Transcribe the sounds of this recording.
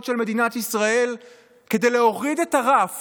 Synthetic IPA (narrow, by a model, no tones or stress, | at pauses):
tʃelme̞d̪inat̪isʁae̞l | ke̞dejle̞o̞ʁide̞taʁaf